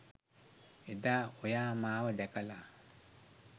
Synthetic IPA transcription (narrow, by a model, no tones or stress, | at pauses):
edaojaːmaːwədɛkala